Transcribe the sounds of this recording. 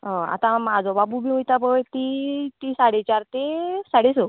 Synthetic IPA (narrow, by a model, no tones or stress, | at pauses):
ɦoa̰t̪ãmad͡zʱɔbabubiujt̪abəjt̪it̪isaɽet͡ɕaɾt̪esaɽeso